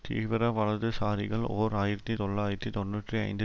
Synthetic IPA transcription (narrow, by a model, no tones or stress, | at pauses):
t̪ḭːʋɪɾɐʋɐɭɐɾðɯsaːɾɪɣɐɭo̰ːɾaːjɪɾɐt̪ːit̪ɔɭːaːjɪɾɐt̪ːit̪ɔnːuːʈriɐ̰ɪnd̪ɯ